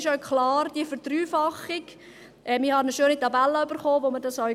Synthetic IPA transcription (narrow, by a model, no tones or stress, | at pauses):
ʃœʊkʰχlɑːɾd̥ifəɾd̥ryːfɑχɪk | ʔɛmɪhɑnəʃøːnitɑbælːəybəɾχoːvomədɑsœ